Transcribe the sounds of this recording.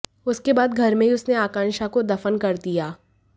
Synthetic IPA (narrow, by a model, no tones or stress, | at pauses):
ʊskebaːd̪ɡʱɐɾmẽiʊsneaːkãːnʃakod̪ɐfənkɐɾd̪ijaː